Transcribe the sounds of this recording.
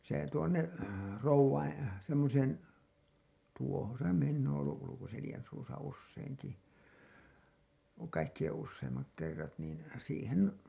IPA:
se tuonːe roʋːɑin semːoseːn tuohon se minː oːn olːuʔ ʔulukoselĭjæn suːsɑ usːeiŋki kɑikːij̆en usːeimːɑk kerːɑt niːn siːhen

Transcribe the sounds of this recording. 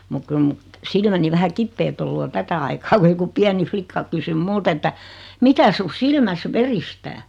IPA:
muk kyl mu silmæni ʋæhæ kipːeːt olːu o tætæ ɑikɑː ku joku piæni flikːɑ kysym mult etːæ mikæ su silmæs ʋeristæː

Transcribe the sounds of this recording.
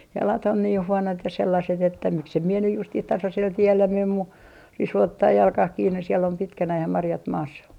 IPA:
jɑlɑt on niːh huonot jɑ selːɑset etːæ miksem mie nyj justih tɑsɑsel tielːæ mem mu risu otːɑː jɑlkɑh kiːnːes̆ siel om pitkænæh jɑ mɑrjɑt mɑːsːɑ

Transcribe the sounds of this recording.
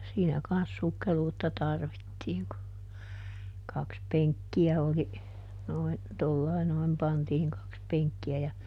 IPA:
siːnæ kɑns sukːeluːtːɑ tɑrʋitːiːŋ ku kɑks peŋkːiæ oli noin tolːɑi noim pɑntiːŋ kɑks peŋkːiæ jɑ

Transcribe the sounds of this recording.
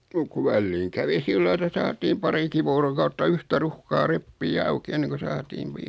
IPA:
muk ku ʋælːiːŋ kæʋi silːɑi etæ sɑːtiːm pɑriki ʋoːrokɑutːɑ yhtæ ruhkɑː repːiː ɑuki enːeŋku sɑːtiːn̞

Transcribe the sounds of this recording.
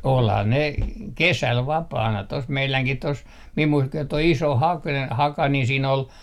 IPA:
olhɑ ne kesæl ʋɑpɑːnɑ tos meilæŋkih tos mim mui toi iso hɑk hɑkɑ ni siːn ol

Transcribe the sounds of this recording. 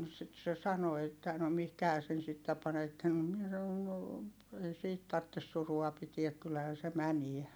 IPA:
sit se sɑno etːæˑ no mihkæhæː sen sitːæ pɑnetːen no miɛ sɑn̆on no ei siːt tɑrtːes suruɑ pitiæk kylːæhæː se mæniæ

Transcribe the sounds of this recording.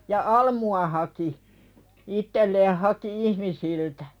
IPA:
jɑ ɑlmuɑ hɑki itːelːeːh hɑki ihmisiltæ̥

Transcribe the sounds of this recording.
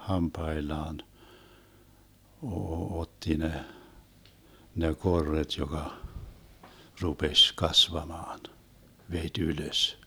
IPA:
hɑmpɑelːɑːn oː otːi ne ne korːet jokɑ rupesʲ kɑsʋɑmɑːn ʋetʲ yløs

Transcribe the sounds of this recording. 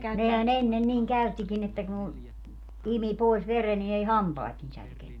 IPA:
nehæn enːen niːŋ kæytːikin etːæ ku imi poˑis ʋere ni ei hɑmpɑːt ni særkenːy

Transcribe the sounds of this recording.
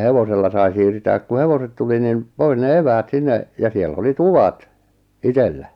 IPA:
heʋoselːɑ sɑi siːrtæːk ku heʋoset tuli nim pois ne eʋæːt sinːe jɑ sielːæ̆ oli tuʋɑt itelːæ

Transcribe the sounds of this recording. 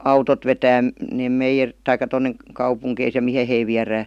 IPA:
ɑutot ʋetæː neːm meijer tɑikˑɑ tonːe kɑupuŋkeis jɑ mihe hei ʋiæræː

